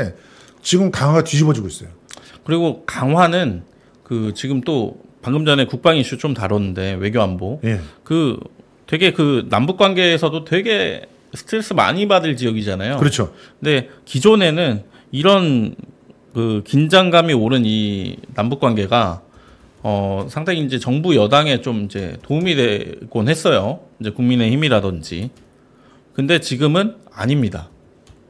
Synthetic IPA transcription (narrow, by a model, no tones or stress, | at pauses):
e | t͡ɕiɡɯmkaŋwaɡatɥiɕibʌd͡ʑiɡois͈ʌjokɯɾiɡokaŋɦwanɯn | kɯt͡ɕiɡɯmt͈opaŋɡɯmd͡ʑʌne̞kuk̚p͈aŋiɕ͈ʰut͡ɕomtaɾʌnɯnde̞we̞ɡjoambojekɯ | twe̞ɡe̞kɯnambuk͈̚wanɡe̞ːsʰʌdotwe̞ɡe̞ | sʰɯ̥tʰɾe̞s͈ɯma̰ɲibadɯɭt͡ɕijʌɡid͡ʑanajoɯɾʌt͡ɕʰo | kɯnde̞kid͡ʑone̞nɯn | iɾʌn | kɯkind͡ʑaŋɡamioɾɯninambuk͈wanɡe̞ɡa | ʌsʰaŋtʰeind͡ʑe̞t͡ɕʌŋbujʌdaŋe̞t͡ɕomind͡ʑe̞̰toumidwek͈onɦe̞s͈ʌjoind͡ʑe̞kuŋmine̞çimiɾadʌnd͡ʑḭ | kɯnde̞t͡ɕiɡɯmɯna̰ɲimɲida̰